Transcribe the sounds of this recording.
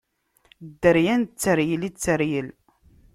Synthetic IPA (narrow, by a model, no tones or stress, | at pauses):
d̪ːəɾjænt͡sːəɾjəlit͡sːəɾjəl